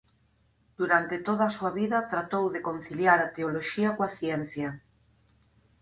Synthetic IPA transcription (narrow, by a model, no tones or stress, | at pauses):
d̪̥uɾant̪et̪oð̞asuaβiðɐt̪ɾat̪owðekon̟θiljaɾat̪eoloʃiakoaθjɛn̟θja